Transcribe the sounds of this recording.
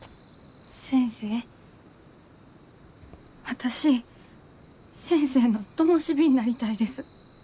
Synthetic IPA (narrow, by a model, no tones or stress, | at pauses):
sẽ̞ɰ̃se̞ː | βat̪aɕi | sẽ̞ɰ̃se̞ːno̞t̪omoɕibʲiɲ̟inaɾʲit̪aid̪e̞sɨ